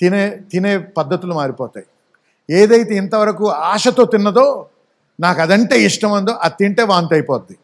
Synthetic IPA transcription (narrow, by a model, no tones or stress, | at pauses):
t̪ineːt̪ine̞ːpɐd̪ːɐt̪ulumaːɾipɔːt̪aːj | eːd̪ɐjt̪eːint̪ɐʋɐɾɐkuaːʂɐt̪o̞ːt̪inːɐd̪o̞ː | naːkɐd̪ɐɳʈeːiʂʈɐmɐnd̪oːʔɐt̪ːiɳʈe̞ːʋaːnt̪ɐjipɔːt̪ːi